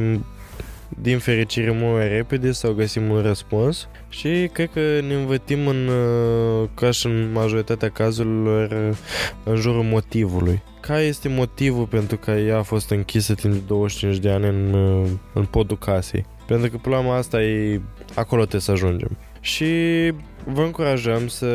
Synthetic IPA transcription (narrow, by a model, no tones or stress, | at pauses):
im | d̪infe̞ɾit͡ʃiɾe̞mult̪majre̞ped̪e̞sawɡəsimunrəspuns | ʃikɾe̞d̪̚kəne̞ɨnvət̪simɨn | kaʃɨnmaʒo̞ɾit̪at̪eakazuɾilo̞r | ɨnʒuɾulmo̞t̪ivuluj | kʰaje̞st̪e̞mo̞t̪ivulpe̞nt̪ɾukəjaːfo̞st̪ɨŋkʲisəd̪ind̪o̞wəʃt͡ʃint͡ʃd̪e̞anʲɨnɨnpo̞d̪ukʰasḛj | pent̪ɾukəplamast̪aje | ako̞lo̞t̪esəaʒund͡ʒḛm | ʃi | vəɨŋkuɾaʒəmsə